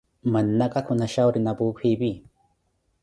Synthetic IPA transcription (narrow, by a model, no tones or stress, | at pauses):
mɐnːakʼakʰʊnaʃawɾinabuːkʷʰiːbi